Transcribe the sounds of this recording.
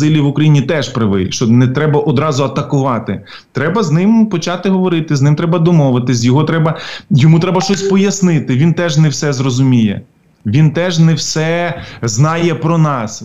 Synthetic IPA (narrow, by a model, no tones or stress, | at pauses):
ɪlʲiʋʊkɾɐjinʲit̪ɛʒpɾɪʋɪ̰lʲʃt͡ʃɔnɛt̪ɾɛbɐʔɔd̪ɾɑzʊɐt̪ɐkʊʋɑt̪ɪ | t̪ɾɛbɐznɪmpɔt͡ʃɑt̪ɪɦɔʋɔɾɪt̪ɪznɪmt̪ɾɛbɐd̪ɔmɔʋɪt̪ɪzʲjɔɦɔt̪ɾɛbɐjɔmut̪ɾɛbɐʃt͡ʃɔsʲpɔjɐsnɪt̪ɪʋʲint̪ɛʒnɛwsɛzrɔzʊmʲijɛ̰ | ʋʲint̪ɛʒnɛwsɛznɑjɛpɾɔnɑs